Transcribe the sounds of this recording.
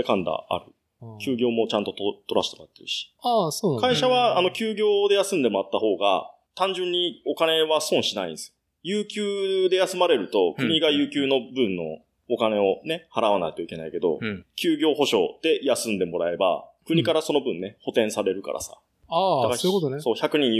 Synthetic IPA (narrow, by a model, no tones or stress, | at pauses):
ekãnd̪a̰a̰ɾɯ̟ | kʲɨːɡʲo̞ːmo̞t͡ɕãnt̪o̞t̪ot̪o̞ɾaɕi̥t̪omojat̪ːeɾɯ̟ɕi̥asoːnkaiɕaβaːno̞kʲɨːɡʲo̞ːd̪e̞jasɨ̃nd̪e̞moɾat̪ːaɦo̞ːɡa̰ | t̪ãɲ̟d͡ʑɨ̃ɲ̟ːio̞kane̞βasõ̞ɰ̃ɕinaḭ̃nsɨ̥jo | jɯːkʲɨːd̪e̞jasɨmaɾe̞ɾɯ̟t̪o̞kɯ̟ɲ̟iɡajɯ̟ːkʲɨːno̞bɯ̟̃nːo̞̰ː | kane̞o̞ne̞haɾaβ̞ana̰kt̪oike̞naike̞d̪o̞̰kʲɨːɡʲo̞ːɦo̞ɕo̞̰d̪̥e̞jasɨ̃nd̪e̞mo̞ɾae̞ba̰kɯ̟ɲ̟ikaɾaso̞no̞bɯ̟̃nːe̞ho̞t̪ẽ̞ɰ̃saɾe̞ɾɯ̟ka̰ɾʔa̰sa̰ | ad̪aaoot̪oso̞ːçakɯ̟ɲ̟ĩ